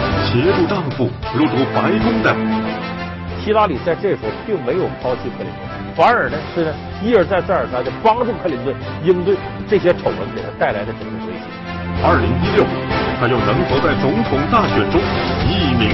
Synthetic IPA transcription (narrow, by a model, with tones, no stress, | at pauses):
t͡ɕjɛ˧˥ʈ͡ʂu˥˧t̪ɑ˥˧ŋfu˥˩lu˥˩t̪u˧˥pa˧˥ɪk̪ʊ˥ŋd̪ə˨ | ɕʰi˥la˥li˨˩t͡sa˥˧ɪʈ͡ʂɤ˥˩əʂɻ̩˧˥xo˥pi˥˩ŋme˧˥ɪjo˨˩ʊkʰɑ˥ʊt͡ɕʰi˥kʰə˥˩lḭ˧˥nt̪wfa˧˥nə˞˨˥nə˧ʂwe˥˩nə˧ | i˥ə˞˧˥t͡sa˥˧ɪt͡sə˞˨˩t͡sʰa˥t͡ɕə˥˩pɑ˥ŋʈ͡ʂu˥˧kʰli˧˥nt̪we˥˩i˥nt̪we˥˩ɪʈ͡ʂɤ˥˩ɕ̬ɛ˥ʈ͡ʂʰo˨˩ʊwə˧˥npɛ˨˩d̪ə˧˥t̪a˥˩ɪla˧˥ɪd̪ə˧ʈ͡ʂə˨˩ɡə˧˩t̪we˥ɪɕḭ˧˥˩ | ɐ˥˩li˧˥ŋi˥ljo˥˩ʊṵ˨˩˥t̪ʰa˥jʊ˥˩ŋɻə˧˥ŋxɤ˧˥t͡sa˥˩ɪt͡sʊ˧˥ŋt̪ʰʊ˨˥ŋt̪a˥˩ɕɥɛ˨˩nʈ͡ʂʊ˥ŋi˥˩mi˧˥